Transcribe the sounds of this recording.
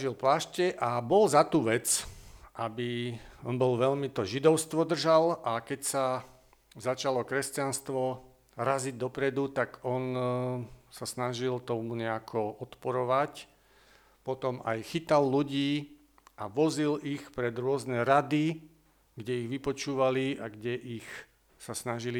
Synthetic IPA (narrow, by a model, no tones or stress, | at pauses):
ʒilplaːʃcɛʔabɔlzat̪uːʋɛt͡sʔabiɔnbɔlʋɛʎmit̪ɔʒid̪ɔʊst̪ʋɔd̪r̩ʒalʔakɛcsa | zat͡ʃalɔkɾɛscanst̪ʋɔ | ɾaziɟd̪ɔpɾɛd̪ut̪aɡɔn | sasnaʒilt̪ɔmuɲɛakʰɔʔɔt̪pɔɾɔʋac | pɔt̪ɔma̰jxit̪alːuɟiː | ʔaʋɔzilixpɾɛd̪ɾʊɔznɛɾad̪i | ɡɟɛiɣʋipɔt͡ʃuːʋaliaɡɟɛʔix | sasnaʒili